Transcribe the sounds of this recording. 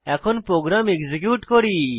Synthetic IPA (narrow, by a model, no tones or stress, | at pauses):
ɛkʰɔnpɾoɡɾamekd͡ʒekjuʈkɔɾi